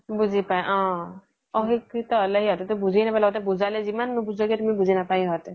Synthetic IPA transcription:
bud͡ʒʱipaɛʔɔ̃ | ɔɦikit̪ɔləɦiɦɔt̪ɛt̪ubud͡ʒʱinapalɔɡɔt̪ɛbud͡ʒʱalɛd͡ʒimannubud͡ʒɔɡɛt̪umibuzʱinapaiɦɔt̪ɛ

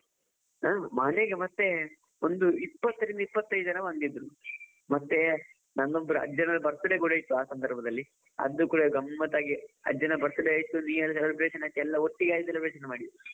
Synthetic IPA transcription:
aːmɐneɡemɐt̪ːe̞ | ond̪uipːɐt̪ːɐɾind̪ɐipːɐt̪ːɐjd̪ud͡ʒɐnɐbɐnd̪id̪ɾu | mɐt̪ːe̞ | nɐnd̪ombɐɾuɐ̰d͡ʒɐnɐlːbɐɾt̪ɐɽeɡuɽɐjt̪ːuaːsɐnd̪ɐɾbʱɐd̪ɐlːi | ɐ̰d̪ːukuːɽɐɡɐmːɐt̪aːɡiɐ̰d͡ʒɐnɐbɐɾt̪ɐɽeaːjit̪ːuniːɐlːɐsɐlɐɾbɾeʂɐnaːk̪ːɛlːɐoʈːiɡaːjit̪ɐlːɐpɾeːʃɐnemaːɽid̪u

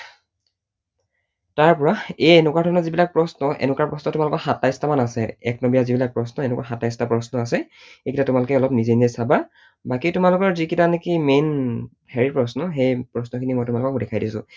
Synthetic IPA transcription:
taɹpɔɹaeɛnʊkwaɹdʱɔnɔzibilak̚pɹɔsnɔʔɛ̰nʊkwaɹpɹɔsnɔtʊmalʊkɔxatajstamanasɛɛk̚nɔbijazibilak̚pɹɔsnɔɛnɛkwaxatajstapɹɔsnɔasɛ | ekʰitatʊmalʊkɛɔlɔp̚nizeniesaba | bakitʊmalʊkɔɹzikitanekimen | pʰɛɹipɹɔsnɔxejpɹɔsnɔkʰinimɔjtʊmalʊkɔkdɛkʰajdisʊ̰̃

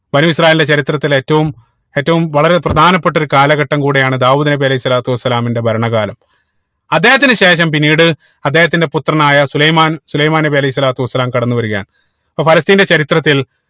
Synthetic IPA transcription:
bɐnuːisraːjelnde̞t͡ɕɐɾit̪rɐt̪ːile̞ːtːɐʋum | e̞ːtːɐʋumʋɐɭɐɾe̞prɐd̪ʱaːnɐpːe̞ʈːoɾukaːlɐɣɐʈːɐmkuːɽejaːɳɨd̪aːʋuːd̪ɐnɐbiɐlɐɦisɐlaːt̪uʋɐsːɐlaːminde̞bʱɐɾɐɳɐɣaːlɐm | ɐd̪ːe̞ːhɐt̪ːinɨɕe̞ːʂɐmpinːiːɽɨ | ɐd̪ːe̞ːhɐt̪ːinde̞put̪rɐnaːjɐsulɐjmaːnsulɐjmaːnɐbiɐlɐjhisːɐlaːt̪uʋɐsːɐlaːmkɐɽɐnːuʋɐɾuɣa̰ːn | poːfʰɐlɐst̪iːnde̞t͡ɕɐɾit̪rɐt̪ːil

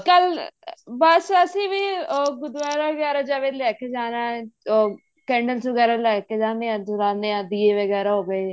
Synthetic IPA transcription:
kəl | bəsəsĩːʋiːoːɡʊd̪ʋaːɾaʋəɡɛːɾaːd͡ʒəʋeːlɛːkʰeːd͡ʒaːnaːoː | kɛ̃ːɳɖəlsʋəɡɛːɾaːlɛːked͡ʒãːnd̪eːãːd̪ʊɾãːnd̪eːãːd̪iːeːʋəɡɛːɾaːɦoːʋeː

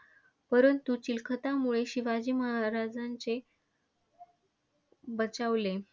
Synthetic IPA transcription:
pəɾənt̪ut͡ɕilkʰət̪amuɭeɕiʋad͡ʑiːməɦaɾad͡zant͡se | bət͡saʋle

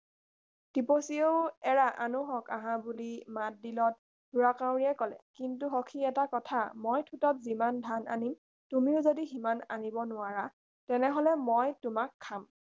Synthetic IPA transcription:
d̥iposioʊɛɹaʔanuɦɔkaɦãbulimat̚dilɔt̚ | duɹakaw̃ɹiɛkɔlɛ̰kintuɦokʰiɛtakɔtʰamojtʰutɔt̚zimandʱana̰nim | tumiʊzodiɦimana̰nibɔnʊaɹa | tɛnɛɦɔlɛmɔjtumakʰːam

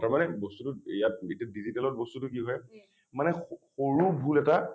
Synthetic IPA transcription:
taɹmanɛbostutʊijat̚etiadizitɛlɔt̚bostutʊkiɦɔj | manɛxoɹubʱulɛta

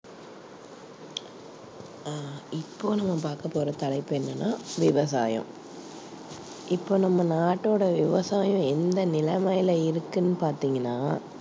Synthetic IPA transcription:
ɪpːoːnɐmːɐpaːɾkɐpːoːɾɐt̪ɐlɐɪpːɛnːɐnːaːʋɪʋɐsa̰ːjɐ̰̃ | ʔɪpːoːnɐmːɐnaːʈːoːɽɐʋɪʋɐsaːjʊ̃ɛnd̪ɐnɪlɐmɐjɪlɐɪɾɯkːɯnːɯpaːɾt̪iːŋɡɐnːaː

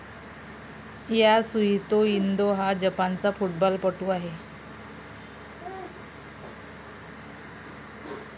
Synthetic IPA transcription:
jasuɦit̪oind̪oɦad͡ʑəpant͡safuʈbɔlpəʈuːaɦe

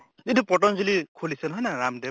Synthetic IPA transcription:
tintʰupɔʈ̬ɔnzilikʰolisʌnɦɔjnaɾamde

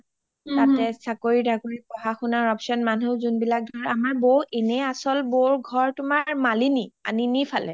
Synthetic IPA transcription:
tatɛsakoɹidʱaɡoɹipɔɦaxʊnaɹɔpsɔnmanuzunbilak̚dʱɔɹamaɹboʔenɛasɔlboɹɡʱɔɹtʊmaɹmalinia̰ninipʰalɛ

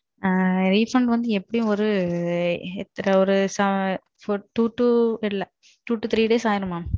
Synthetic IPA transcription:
ɾiːfɐɳɖʋɐnd̪ɯɛpːɐɽɪjʊ̃ɔɾɯ | ɛt̪ːɐɾɐɔɾɯsɐ | fʈuːʈːuɪlːɐ | ʈuːʈːut̪ʰɾiːɖeːsaːjɪɾɯmaː

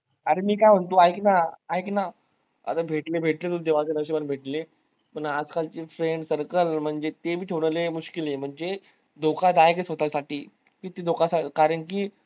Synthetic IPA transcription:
əɾemiːkajm̤əɳt̪oajknaajkna | ə̰t̪abʱeʈlebʱeʈlet̪̬uld̪eʋat͡senəʋɕiʋanbʱeʈle | pəɳad͡zkalt͡ɕiːfɾeɳɖsəɾkəlm̤əɳd͡zet̪ebʱiːʈʰeʋɽlemuɕkiljem̤əɳd͡ze | d̪okad̪ajekesɦot̪aasaʈiː | kit̪id̪okasakaɾəɳkiː

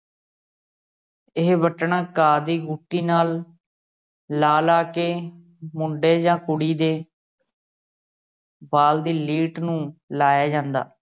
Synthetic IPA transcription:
ɪɦʋəʈəɳaːkaːd̪iːɡuːʈːiːnaːl | laːlaːkeː | mʊɳɖeːd͡ʒãːkʊɽiːd̪eː | baːld̪iːliːʈnũːlaːjaːd͡ʒãːnd̪a̰ː

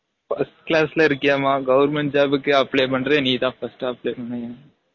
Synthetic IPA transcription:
fɐsʈklaːslɐɪɾɯkːɪjaːmaːɡɐʋɐɾmɛɳʈd͡ʒaːbɯkːɯɐpːɭeːpɐɳːɾẽːniːt̪ãːfɐsʈɐpɭeːpɐɳːɐ̃jeː

